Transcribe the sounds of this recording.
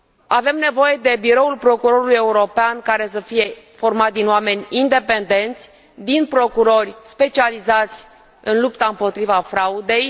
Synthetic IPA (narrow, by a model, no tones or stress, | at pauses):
ave̞mne̞vo̞je̞d̪e̞biɾo̞ulpɾo̞kuɾo̞ɾuluje̞uɾo̞peankaɾe̞s̬əfije̞fo̞rmat̪̚ʲd̪inowame̞nʲind̪e̞pe̞nd̪e̞nt̪sʲ | d̪inpɾo̞kuɾo̞rʲspe̞t͡ʃializat̪sʲ | ɨnlupt̪aɨmpo̞t̪ɾivafɾaud̪e̞j